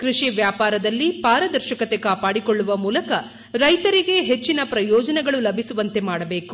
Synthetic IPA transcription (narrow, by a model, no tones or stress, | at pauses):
kɾiʂiʋjaːpaːɾɐd̪ɐlːipaːɾɐd̪ɐɾʃɐkɐt̪ekaːpaːɽikoɭːuʋɐmuːlɐkɐ | ɾɐjt̪ɐɾiɡe̞ɦet͡ʃːinɐpɾɐjɔːd͡ʒɐnɛɡɐɭulɐbʱisuʋɐnt̪e̞maːɽɐbe̞ːku̥